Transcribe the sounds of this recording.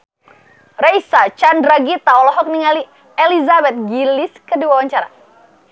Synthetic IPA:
rɛjsat͡ʃandɾaɡit̪aɔlɔɦɔk̚niŋali | ɛlizabɛt̪̚ɡiliskəduawaɲt͡ʃaɾa̰

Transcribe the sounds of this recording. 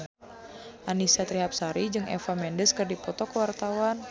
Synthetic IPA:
ʔanisat̪ɾiɦap̚saɾid͡ʒɨŋʔɛ̰famɛndəskɨrdipɔt̪ɔkəwart̪awan

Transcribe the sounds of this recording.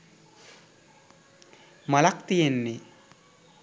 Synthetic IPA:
malakt̪ijenːe

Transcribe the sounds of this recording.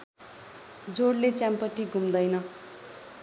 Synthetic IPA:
d͡zoɽlet͡sjampʌʈiɡʱumd̪ʌjnʌ

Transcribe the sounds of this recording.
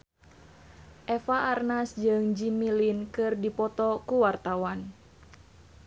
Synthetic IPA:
ʔɛfaʔarnasd͡ʒɨŋd͡ʒimilinkɨrdipɔt̪ɔkuwart̪awan

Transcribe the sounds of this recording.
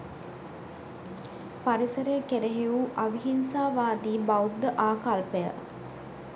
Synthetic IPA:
paɾisəɾejəkeɾeɦeuʔɐʋiɦinsaːʋaːd̪iːbɐwd̪ːəʔaːkalpejə̰

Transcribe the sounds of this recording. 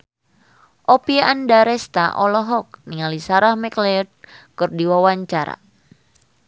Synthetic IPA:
ʔɔpiaʔandaɾɛst̪a̰ʔɔlɔɦɔk̚niŋalisaɾahmɛklɛd̚kɨrdiwawaɲt͡ʃaɾa̰

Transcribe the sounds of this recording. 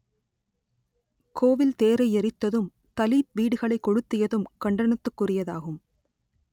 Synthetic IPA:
kʰoːʋɪlt̪eːɾɐɪɛɾɪt̪ːɐðɯm | t̪ɐliːp̚ʋiːɽɯɣɐɭɐɪkːɔɻɯt̪ːɪjɐðɯmkɐɳɖɐɳɐt̪ːɯkːʊrɪjɐðaːɣɯm

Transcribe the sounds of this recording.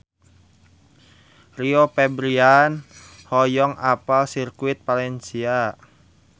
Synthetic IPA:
riopɛbɾianhɔjɔŋapalsirkuɪt̪̚palɛnsia

